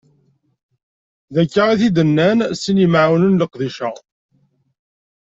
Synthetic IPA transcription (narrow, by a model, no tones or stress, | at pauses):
ðækːəʁiθid̪ənːænsinəmʕawnənləqðiʃæ